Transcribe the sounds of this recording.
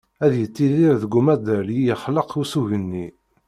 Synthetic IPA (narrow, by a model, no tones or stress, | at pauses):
æðjət͡sːiðiɾðəɡʷumæd̪əlijəχləqusuʝənːi